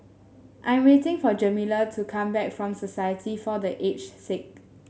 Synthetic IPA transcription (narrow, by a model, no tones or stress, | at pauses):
ʔãj̃mwetɪ̃ŋfɔd͡ʒəmilətʰukʰãmbɛk̚fɹɔ̃msɔsajətʰifɔdəʔet͡ʃsɪk̚